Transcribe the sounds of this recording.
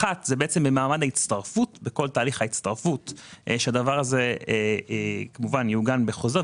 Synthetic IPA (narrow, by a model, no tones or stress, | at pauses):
atzebeet͡se̞mbemaːmadait͡staʁfutbeko̞ltaːliχhait͡st̪aʁfutʃead̪avaʁaze̞ | kamuvanjuɡanbeχo̞ze